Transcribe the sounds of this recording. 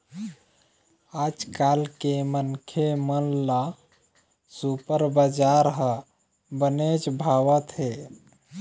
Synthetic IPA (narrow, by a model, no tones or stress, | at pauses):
ad͡ʒkalkemənkʰemənla | supəɾbad͡ʒaɾɦə | bəned͡ʒbʱawət̪ɦe